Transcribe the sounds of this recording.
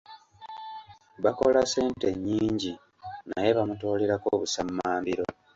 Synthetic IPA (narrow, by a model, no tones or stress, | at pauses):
βako̞lase̞ːnte̞ɲːiːɲɟi | najeβamuto̞ːleɾakoːβusamːaːmbiɾo̞